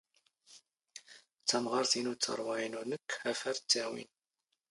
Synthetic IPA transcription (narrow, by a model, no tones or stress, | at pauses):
t͡sːɑmʁɑɾˤθinut͡sːɑ̰ɾˤwɑinunəkːhæfæɾt͡sːæwḭn